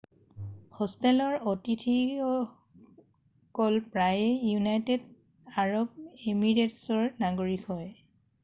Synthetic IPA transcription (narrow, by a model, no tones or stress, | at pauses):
xɔstɛlɔɹotitʰiɔ | kɔlpɹajɛjunajted | aɹɔb̚emiɹetsɔɹnaɡoɹikʰhɔj